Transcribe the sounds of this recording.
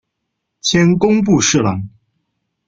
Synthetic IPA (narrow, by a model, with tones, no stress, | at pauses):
t͡ɕʰjɛ˥nkʊ˥ŋp̬u˥˧ʂɻ̩˥˩lɑ˧˩˥ŋ